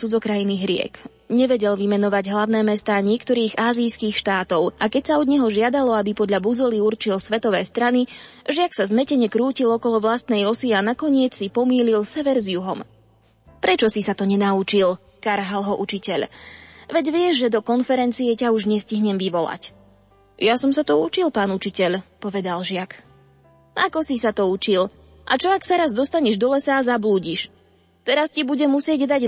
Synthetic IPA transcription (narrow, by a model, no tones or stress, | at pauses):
t͡sud͡zɔkɾajiniɦɾɪɛ̰k | ɲɛʋɛɟɛlʋimɛnɔʋaɟɦlaʊnɛːmɛst̪aːɲɪɛkt̪ɔɾiːɣaːzijskixʃt̪aːt̪ɔʊʔakɛcsaɔd̪ɲɛɦɔʒɪad̪alɔabipɔd̪ʎabuzɔliuɾt͡ʃilsʋɛt̪ɔʋɛːst̪ɾaniʒɪaksazmɛcɛɲɛkɾuːcilɔkɔlɔʋlast̪nɛjɔsianakɔɲɪɛt͡ssipɔmiːlilsɛʋɛɾzjuɦɔm | pɾɛt͡ʃɔsisat̪ɔɲɛnaut͡ʃil | kaɾɦalɦɔʔut͡ʃicɛʎʋɛɟʋɪɛʒʒɛd̪ɔkɔnfɛɾɛnt͡sijɛcauʒɲɛsciɦɲɛmʋiʋɔla̰c | jasɔmsat̪ɔut͡ʃilˠpaːnut͡ʃicɛʎpɔʋɛd̪alʒɪak | a̰kɔsisat̪ɔut͡ʃil | ʔa̰t͡ʃɔaksaɾazd̪ɔst̪aɲɛʒd̪ɔlɛsaːzabluːɟiʃ | t̪ɛɾascibuɟɛmːusɪɛɟd̪aɟ